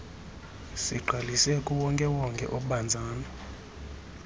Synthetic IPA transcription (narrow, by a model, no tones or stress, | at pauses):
siɡ͡ǃʱalisɛkʼuwɔŋkʼɛwɔŋkʼɛ̰ʔok̬ʼuɓand͡zʱaːna